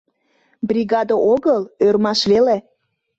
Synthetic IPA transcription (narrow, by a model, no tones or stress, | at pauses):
brʲiɣɑd̪əʔoɣəlørmɑʃβele